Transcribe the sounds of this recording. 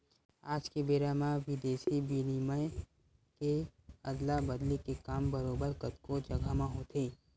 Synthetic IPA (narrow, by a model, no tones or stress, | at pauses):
aːd͡ʒkebeːɾamãʋɪd̪eːsibinimə | keɐd̪labɐd̪likekaːmbɐɾoːbəɾkɐt̪kod͡ʒɐɡʱamãɦoːt̪ʰeː